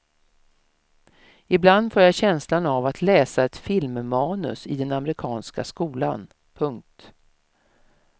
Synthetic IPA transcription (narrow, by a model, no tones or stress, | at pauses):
ɪbland̪foːɾjaɕɛnslanavat̪ʰlɛːsaɛt̪fɪlmmɑːnɵ̰sɪd̪ɛnamɛɾɪkʰɑːnska̰skuːla̰n | pʰɵŋk̚t̪